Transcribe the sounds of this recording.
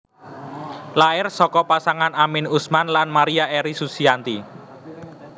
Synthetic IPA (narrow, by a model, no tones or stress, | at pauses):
laɪrsɔkɔpasaŋanamɪnusmanlanmaɾiaʔeɾisusiant̪i